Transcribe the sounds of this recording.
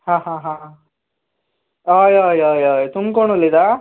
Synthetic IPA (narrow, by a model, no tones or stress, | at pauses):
hãːɦãɦã | aːjaːjaːjaːjt̪umkoɳulːid̪a